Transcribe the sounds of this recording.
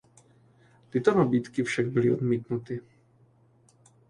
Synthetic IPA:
t̪ɪt̪onabiːt̪kɪfʃaɡ̚bɪlɪʔo̞d̪miːt̪nut̪ɪ

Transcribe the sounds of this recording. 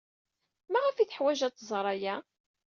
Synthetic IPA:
mæʁæfiθħwæʒæt̪ˤːzˤɾˤæjæ

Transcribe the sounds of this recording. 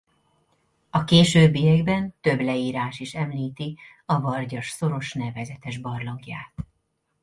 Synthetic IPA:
ɒkeːʃøːbːijɛɡbɛnt̪ø̞blɛiːɾaːʃiʃɛmliːt̪i | ɒvɒrɟɒʃso̞ɾo̞ʃnɛvɛzɛt̪ɛʒbɒrloɡja̰ːt̪

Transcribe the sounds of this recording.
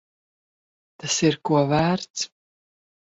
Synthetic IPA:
t̪asirkuɔvæːrt̪s

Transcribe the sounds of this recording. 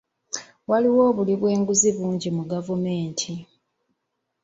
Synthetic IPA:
waliwo̞ːβuliβwe̞ːŋɡuziβuːɲɟimuɡavume̞ːntʰi

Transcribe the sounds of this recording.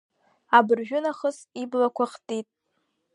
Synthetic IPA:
abɨrʒᶣʊnaχəsiblakʷʰaχtʼitʼ

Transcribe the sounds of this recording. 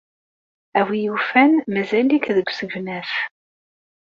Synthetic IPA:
æwijufænmæzælikðəɡʷsəɡvnæθ

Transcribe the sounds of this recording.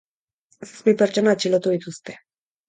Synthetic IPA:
sesbipeɾt͡ʃo̞nat͡ʃilot̪uð̞it̪ust̪e

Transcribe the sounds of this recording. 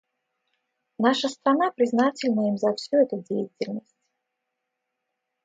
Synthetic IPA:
naʂəst̪ɾanapɾʲɪznatʲɪlʲnəimzɐfsʲuɛt̪udʲejɪtʲɪlʲnəsʲtʲ

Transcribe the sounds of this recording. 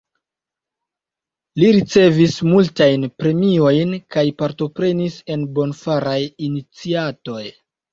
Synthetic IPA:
liɾit͡se̞vismultajnpɾe̞mio̞jnkajpaɾto̞pɾe̞nise̞nbo̞nfaɾajinit͡siato̞j

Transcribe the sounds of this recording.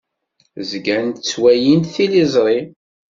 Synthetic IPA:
zɡænt̪t͡sːwæjint̪θilizˤɾˤi

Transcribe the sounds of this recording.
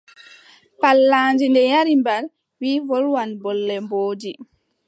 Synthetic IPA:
palːaːnd͡ʒindɛjaɾimbaɾ | wiːvɔlwanbɔlːɛmboːdi

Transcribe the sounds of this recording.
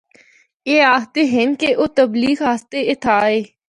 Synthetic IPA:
eːaːst̪eːɦɪnkeʔoːt̪əbliːɡaːst̪eɪt̪ʰaːeː

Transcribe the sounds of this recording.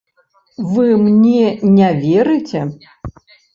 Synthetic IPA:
vɨmnʲɛnʲavʲɛɾɨt͡sʲɛ

